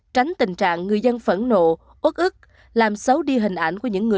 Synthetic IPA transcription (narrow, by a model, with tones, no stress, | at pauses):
t͡ɕa˨˦jŋ̟t̪ï˨˩ŋ̟t͡ɕa̰ː˧˨ŋːɨ˨˩əjzə˧nfə̰˧˥˩nno̰˧˨ | ʔwə˦˥k̚ʔɨ˦˥k̚ | laː˨˩msə˨˦wɗi˧ɦï˨˩ŋ̟ʔa˧˩jŋ̟ku˧˩əɲɨ̰˧˥ŋːɨ˨˩